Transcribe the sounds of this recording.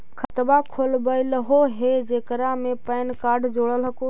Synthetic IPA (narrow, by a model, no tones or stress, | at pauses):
kʰət̪bakʰolbəɪləɦoɦed͡ʒeːkəɾamẽpəɪnkaːɖd͡ʒoːɽəlɦəku